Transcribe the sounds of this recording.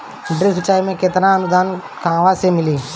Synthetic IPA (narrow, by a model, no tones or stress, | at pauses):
ɖɾɪsʊt͡ʃaːimẽket̪ɾãənʊd̪aːn | kãːʋasemɪliː